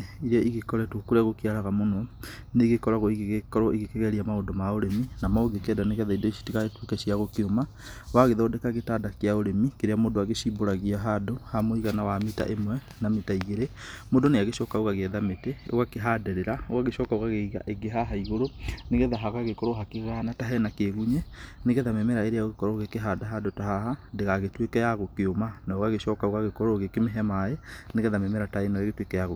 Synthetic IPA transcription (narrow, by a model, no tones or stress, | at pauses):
iɾeɔʔiɣekɔɾɛtwokoɾeaɣokeaɾaɣamonɔneɣekɔɾaɣɔiɣeɣekɔɾɔiɣekɛɣɛɾiamaodɔmaoɾeminamaoɡekɛdaneɣɛðaidɔiʃi̥tikaɣetwekɛɕiaɣokeoma | waɣeðɔdɛkaɣetaːdakeaoɾemikeɾeamodoaɣeʃimboɾaɣiaɦadohamoiɣanawamita̰ʔemwɛ | namitaiɣeɾemodoneaɣeʃɔːkaoɣaɣeɛðametɛo̰ɣakeɦaːdɛɾeɾaoɣaɣeʃɔkaoɣaɣeiɣa̰ʔeɡeɦaɦaiɣoɾoneɣɛðaɦaɣaɣekɔɾoɦakeɣanataɦɛnakeɣuɲɛneɣɛðamɛmɛɾaeɾeaoɣekɔɾɔɣekeɦaːdaɦadotaɦahadeɣaɣetwekɛjaɣokeomanaoɣaɣeʃɔkaoɣaɣekɔɾoɣekemeɦɛmaeneɣɛðamɛmɛɾataenaeɣetwekɛjaɣo